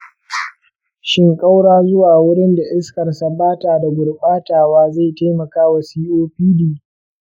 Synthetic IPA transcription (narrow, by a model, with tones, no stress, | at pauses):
ʃɪ˦ŋkʼa˦wɽaː˦zʊ˦waː˨wʊ˦ɽɪ˦nda˨ʔɪ˦skɐ˨rsa˦baː˦taː˨da˨ɡʊ˨rɓʼaː˦taː˨waː˦za˦˨ta˦jmɐ˨kaː˦wa˨siː˦ʔoː˦ɸiː˦diː˦